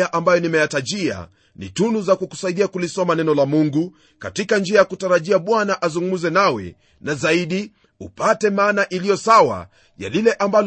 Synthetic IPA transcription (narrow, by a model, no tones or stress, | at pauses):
aʔambajɔnimɛjataʄia̰ | nḭtunuzakuku̥saiɗiakulisɔmanɛnɔlamuŋɡu | katikand͡ʒiajakutaɾaʄiaɓwanaʔazuŋɡumuzɛnawɛ̰ | nazaiɗi | upatɛmaːnaʔilijɔsawa̰ | ja̰lilɛʔambal